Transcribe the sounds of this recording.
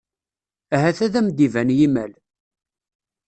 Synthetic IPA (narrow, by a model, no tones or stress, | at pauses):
æɦæθæðæmd̪ivænjimæl